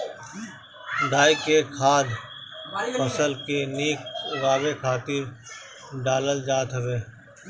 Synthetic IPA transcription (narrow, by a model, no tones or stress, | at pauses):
ɖ̪aːikekʰaːd̪ | pəsəlkeniːkɣaːbekʰaːt̪ɪɾ | ɖaːləld͡ʒaːt̪ɦʋeː